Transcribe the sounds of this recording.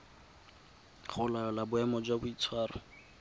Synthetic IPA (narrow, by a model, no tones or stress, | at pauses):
χʊlaɔlabʊɛmɔd͡ʒwabʊit͡sʰwaːrʊ